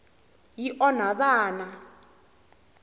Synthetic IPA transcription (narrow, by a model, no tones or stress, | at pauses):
jiʔɔnaɓaːna